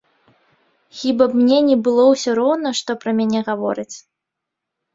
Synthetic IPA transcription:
xʲibɐpmnʲɛnʲɛbɨlˠɔwsʲɔɾɔwnɐʂt̪ɔpɾɐmʲanʲɛɣavɔ̰ɾɨt͡sʲ

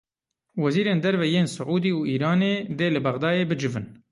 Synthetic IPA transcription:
wɛziːɾeːnd̪ɛɾvɛjeːnsʊʕuːd̪iːuʔiːɾɑːneːd̪eːlɨbɐɣd̪ɑːjeːbɨd͡ʒɪvɨn

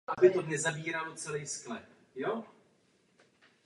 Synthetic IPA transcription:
ʔabɪt̪odɲɛzabiːɾaːlot͡sɛlɛjsklɛ | jo

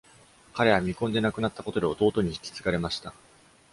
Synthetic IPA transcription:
kaɾe̞βamʲikõ̞nd̪e̞nakɯ̟nat̪ːako̞t̪o̞d̪e̞o̞t̪o̞ːt̪o̞ɲ̟iç̥kʲi̥t͡sɨ̥ɡaɾe̞maɕi̥t̪a

